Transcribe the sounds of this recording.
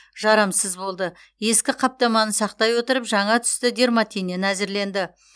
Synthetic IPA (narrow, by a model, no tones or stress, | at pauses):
ʒɑɾɑmsəzbo̞lˠd̪ə | je̞skʲɪqʰɑp̚t̪ɑmɑnəsɑq̚t̪ɑjwo̞t̪əɾəpʒɑɴɑt̪ʰʏ̥st̪ɪd̪e̞ɾmat̪ʰʲijnenæzɪɾle̞nd̪ɪ